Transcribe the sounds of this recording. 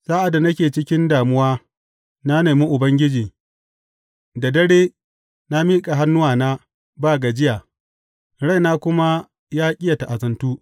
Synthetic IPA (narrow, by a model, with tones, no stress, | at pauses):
saː˦ʔa˨da˨na˦kʲeː˨t͡ʃɪ˦kʲɪ˦ndaː˨mʊ˦waː˦ | na˦neː˨mi˦ʔʊ˨bɐ˦ŋɡʲɪ˦d͡ʒiː˨ | da˨dɐ˦ɽeː˦ | na˦miː˦kʼa˨ɦa˦nːʊ˦waː˨naː˦ | baː˦ɡa˨d͡ʒɪ˦jaː˨ | ɾa˦jnaː˦kʷʊ˦ma˦ | jaː˦kʲʼɪ˦ja˨ta˨ʔa˨zɐ˨ntuː˦